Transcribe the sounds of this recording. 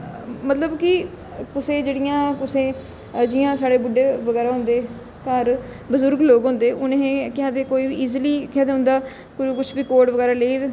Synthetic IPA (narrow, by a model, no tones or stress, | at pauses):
mət̪ləbkɪ | kʊsẽːd͡ʒeːɽɪjãːkʊsẽː | d͡ʒɪjãːsaːɽeːbʊɖeːʋəɡɛːɾaːɦʊ̃nd̪eː | kəɾ | bəzʊɾɡloːɡɦʊ̃nd̪eːʔʊnẽːkɪɦãːt̪eːkoːiːbiiːzliːkɪɦãːt̪eɦʊ̃nd̪aː | kʊkʊt͡ʃʰbiːkoːɖʋəɡɛːɾaːleiː